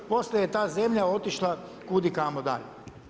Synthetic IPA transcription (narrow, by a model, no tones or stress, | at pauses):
po̞slʲejet̪aːze̞mʎao̞t̪iʃlˠakud̪ikamod̪a̰ʎe